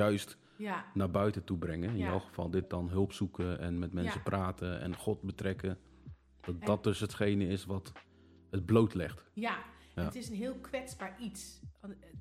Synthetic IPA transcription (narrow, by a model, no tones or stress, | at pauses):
œɥst | naɹbœɥtətubrɪŋəɪnjɔwχəv̥ɑlˠdɪt̚d̥ɔnɦɵlˠpsukəɛ̰nmɛtmɛnsəprʔaːtəɛ̰nχɔtbətrɛkə | d̥ɔt̚ɔt̚dɵsɦətχejnəɪsʋɑt | ɦət̚blowtlɪχtjaatɪsənɦɪːlˠkʋɛsbaːɹits